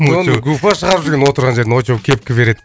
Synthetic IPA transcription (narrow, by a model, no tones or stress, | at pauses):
oəɡufɑʃəʁɑɾpzd̪eɡʲenwo̞t̪əɾʁɑnʒe̞ɾd̪ɪnot͡ʃuwkʲʰe̞p̚kʲɪbe̞ɾe̞d̪ɪ